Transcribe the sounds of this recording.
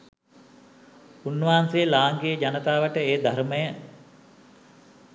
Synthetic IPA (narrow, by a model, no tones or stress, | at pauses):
unːʋaːansejəlaːŋɡejəd͡ʒanət̪aːʋəʈəeːd̪ʱaɾməjə